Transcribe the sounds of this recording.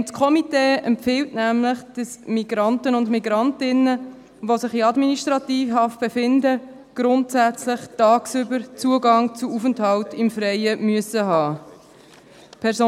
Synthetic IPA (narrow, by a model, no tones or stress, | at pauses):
tkʰɔmiteːɛmpfɪltnæmləχd̥ɑsmiɡɾɑntənʊndmiɡɾɑntɪnə | ʋosɪχiɑdminiʃtʁɑtiːfhɑft̚b̥efɪndə | ɡ̥ɾʊntsæt͡slɪχtɑːksybəɾt͡suəɡɑŋt͡suufənthɑltɪmfɾɛɪəmyəsəɦɑː | pʰɛɾsoː